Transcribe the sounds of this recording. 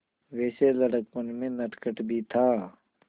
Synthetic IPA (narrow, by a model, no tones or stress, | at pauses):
ʋɛːseləɽək̚pənmẽnəʈkəʈbʱit̪ʰaː